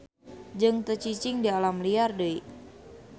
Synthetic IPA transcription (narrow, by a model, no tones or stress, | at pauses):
d͡ʒɨŋt̪ət͡ʃit͡ʃɪŋdialamliardəi